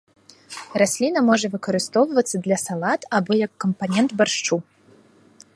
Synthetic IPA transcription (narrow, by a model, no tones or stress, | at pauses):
rasʲlʲinɐmɔʐɐvɨkɐɾɨst̪ɔwɐvɐt̪sːɐd̪lʲɐsalˠat̪abɔjɐkːɐmpanʲɛnt̪barʂt͡ʂu